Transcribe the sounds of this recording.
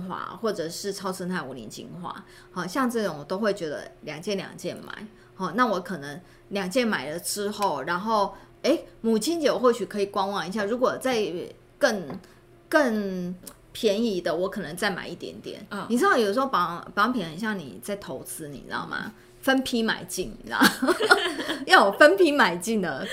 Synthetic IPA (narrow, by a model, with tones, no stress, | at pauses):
xwa̰˥˩xwɔ˥˩ʈ͡ʂɤ˨˩ʂɻ̩˥˩ʈ͡ʂʰɑ˥ʊt͡sʰə˥nt̪ʰa˥˩ɪu˧˥lḭ˧˥nt͡ɕḭ˧˥ŋxwa̰˥˩ | hɔ˥˩ɕjɑ˥˧ŋʈ͡ʂɤ˥˩ʈ͡ʂʊ˨˦ŋwt̪o˥ʊxwe˥˩ɪt͡ɕɥɛ˧˥d̪ə̰˧ljɑ˨˩ŋt͡ɕjɛ˥˩nljɑ̰˨˩ŋt͡ɕjɛ˥˩nma̰˨˩˦ɪ | hɔ˥˩na˥˩wɔ˧˥kʰɤ˨˩nə˧˦ŋ | ljɑ˨˩ŋt͡ɕjɛ˥˩nma˨˩ɪlə˦ʈ͡ʂɻ̩˥xo˥˩ʊɻa˧˥nxo˥˩ʊ | e˥ɪmu˨˩t͡ɕʰi˥nt͡ɕjo˨˩xwo˥˩ʊt͡ɕy˨˩kʰɤ˧˥i˨˩kwɑ˥ŋwɑ˧˥ŋi˧˥ɕja˥˩ɻu˧˥kwɔ˨˩t͡sa˥˧ɪ | kə˥˧ŋ | kə˥˧ŋ | pʰjɛ˧˥ni˧˥d̪ə˨wɔ˧˥kʰɤ˨˩nə˧˦ŋt͡sa˥˩ɪma̰˨˩ɪi˥˩t̪jɛ̰˧˥nt̪jɛ̰˨˦nni˨˩ʈ͡ʂ̩̪ʰ˥ɑ˥˩jo˨˩ʂ̩˧xo˥˩pɑ˦˥pɑ˧˥ŋpʰi˨˦nə˨˩nɕjɑ˥˩ŋnḭ˨˩t͡sa˥˩ɪt̪ʰo˧˥ʊt͡sʰɹ̩˦nḭ˨˩nɑ̰˨˧˥mʔa̰˨˩ | fə˦npʰi˥ma̰˨˩ɪt͡ɕi˥˩n˨na̰˧˦˩ | jɑ˥˩wɔ˨˩fə˦˥npʰi˥ma˨˩ɪt͡ɕi˥˩nd̪ə˩